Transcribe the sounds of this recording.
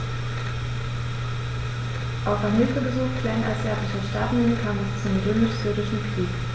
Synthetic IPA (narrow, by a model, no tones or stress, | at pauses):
ʔaʊfanhɦɪlfəbəzuːxtv̥ɛːɐn̩ʔa̰lsz̥aɐtɪʃɐʃtaːtn̩inəkʰaːmɛst͡sʊmʁøːmɪʃz̥yɐdɪʃn̩kʁ̥iːk